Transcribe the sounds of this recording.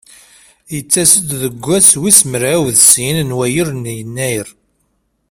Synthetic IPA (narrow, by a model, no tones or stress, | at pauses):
jət͡sːæsəd̪ðəɡʷːæswisməɾæwðsinnwæjəɾnjənːæjəɾ